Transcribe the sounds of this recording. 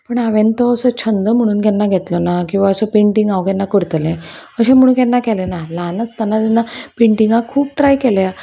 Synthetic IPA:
pəɳaʋẽnt̪ɔəsət͡ɕʰənd̪əm̤əɽ̃uːnkɛnːaɡʱet̪lɔnakĩw̃ʋaəsəpeɳʈiŋɡaʋkɛnːakəɽt̪əlẽəɕẽm̤əɽ̃uːnkɛnːakɛlenalanəst̪anːat̪inːapeɳʈiŋɡakʰuːp̚ʈɾajkɛlja

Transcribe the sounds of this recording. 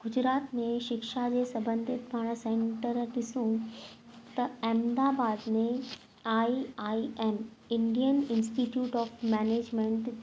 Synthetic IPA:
ɡ̥ʊd͡ʑɾaːt̪mẽʃɪkʃad͡ʑeːsɐbə̃nd̪ʱɪt̪ʋʱaːɽ̃əsẽːɳʈəɾɗɪsũ | t̪ɐɛːmd̪aːbaːd̪mẽ | aːiaːiɛːn | ɪ̃ɳɖijənɪ̃nsʈiʈjuːʈɔːfmɛːneːd͡ʑmẽɳʈ

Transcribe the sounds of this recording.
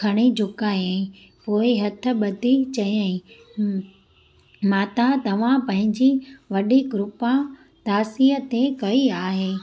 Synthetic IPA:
ɐɽ̃id͡ʑʱʊkaːẽ | poːɪɦɐt̪ʰə̆ɓɐd̪ʱit͡ɕɐjãĩ | maːt̪at̪ɐʋ̤ãpɐ̃ɦɪ̃ɲd͡ʑiʋɐɗiɡɾʊpã | t̪aːsiət̪ekɐiaːɦeː

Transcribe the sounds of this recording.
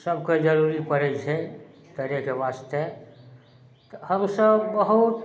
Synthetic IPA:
səbked͡ʒəɾuɾipəɾɛt͡ʃʰe | t̪əɾekeʋaːst̪e | t̪həmsəbbəɦut̪

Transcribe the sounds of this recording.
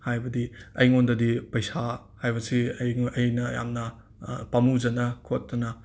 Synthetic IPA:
hajbɐdiɐ̰jŋondɐdipɐjsa | hajbɐsiːjnɐja̰mnɐ | pɐmuzɐnɐkʰotːɐnɐ

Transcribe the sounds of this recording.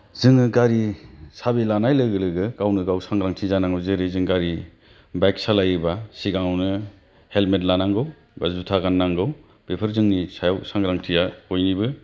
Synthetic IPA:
zɯŋɯɡaɾisabilanajlɯɡɯlɯɡɯkawnɯɡawsaŋɡɾaŋtʰizanaŋɯwzɯɾɯzɯŋɡaɾi | bajk̚salajɯbasiɡaŋwnɯ | helmet̬lanaŋɡɯw | bazutʰaɡanːaŋɡɯw | b̥epʰɯɾzɯŋnisajawsaŋɡɾaŋtʰijaojnibɯ

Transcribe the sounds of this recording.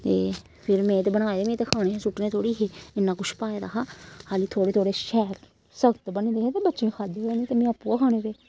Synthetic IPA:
t̪eː | pʰɪɾmẽːt̪eːbəɽaːeːd̪eːmẽːt̪eːkʰaːɽeːɦɛ̃ːsʊʈneːt̪ʰoːɽiːɦeːɪnːãːkʊt͡ʃʰpaːeːd̪a̰ːɦaːhaːliːt̪ʰoːɽeːt̪ʰoːɽeːʃɛːɾ | səɡt̪bənẽːd̪eːɦɛ̃ːt̪eːbətːʃẽːkʰaːd̪eːoeneːt̪eːmẽːəpːuːakʰaːñeːbeː

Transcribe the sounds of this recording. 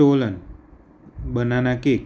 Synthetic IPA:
olən | bənanakek

